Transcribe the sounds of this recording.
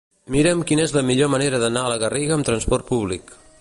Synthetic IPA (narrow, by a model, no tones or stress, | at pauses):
miɾəmkinəezləmiʎoməneɾəðənaələɣəriɣəːmt̪ɾənspɔrt̪̚puβlik